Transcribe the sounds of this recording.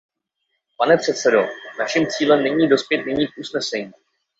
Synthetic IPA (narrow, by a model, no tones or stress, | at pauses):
panɛpr̝̥ɛt̪sɛdo̞naʃimt͡siːlɛmnɛɲiːdo̞spjɛt̪nɛɲiːkʔusnɛsɛɲiː